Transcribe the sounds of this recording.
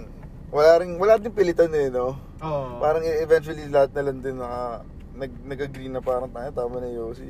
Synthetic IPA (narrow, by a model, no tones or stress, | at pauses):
wɐlaːɾɪŋwɐlaːd̪ɪŋpɪlɪt̪ɐnɛno̞ | opaːɾɐŋɛʔɛvɛnt͡ʃʊɐlilɐhat̪̚nɐlɐnd̪ɪnːɐʔa | nɐɡ̚nɐɡʔɐɡɾiːnːɐpaːɾɐŋt̪aːjot̪aːmɐnɐjoːsi